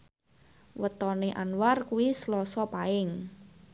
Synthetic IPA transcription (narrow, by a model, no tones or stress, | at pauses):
wət̪ɔneʔanwarkuwislɔsɔpaɪŋ